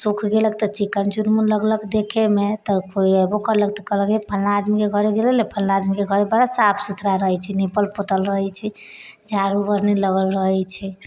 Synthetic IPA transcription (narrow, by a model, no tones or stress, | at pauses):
sukʰɡelək̚t̪ɔt͡ʃikːənt͡ʃunmunləɡləkd̪ekʰemet̪ɔkoiɛbokəɾlək̚t̪ɔkələkd͡ʒepʰəlnaːd̪mikeɡʱəɾeɡelelepʰəlnaːd̪mikeɡʱəɾebəɽasapʰsut̪ʰɾaɾəɦɛt͡ʃʰɛnepəlpot̪əlɾəɦɛt͡ʃʰɛ | d͡ʒaɾubəɾnɛləɡəlɾəɦɛt͡ʃʰɛ